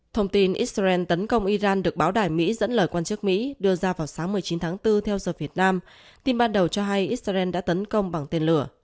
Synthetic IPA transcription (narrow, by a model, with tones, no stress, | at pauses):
t̪ʰə˧wŋ͡mt̪i˧nʔi˦˥t̚a˧ɛ˧nt̪ə˨˦nkə˧wŋ͡mʔi˧zaː˧nɗɨ˨˩ək̚ɓaː˨˦wɗaː˧˩jmḭ˧˥zə̰˧˥nləː˧˩jkwaː˧nt͡ɕɨ˦˥ək̚mḭ˧˥ɗɨ˧əzaː˧vaː˨˩wsaː˨˦ŋmɨ˨˩əjt͡ɕi˨˦nt̪ʰaː˨˦ŋt̪ɨ˧t̪ʰɛ˧wzəː˨˩vi˨˩ət̚naː˧m | t̪i˧mɓaː˧nɗə˨˩wt͡ɕɔ˧ɦa˧jʔi˦˥t̚zʔɛ˧nɗa̰ː˧˥t̪ə˨˦nkə˧wŋ͡mɓa˨˩ŋt̪e˧nlɨ˧˩ə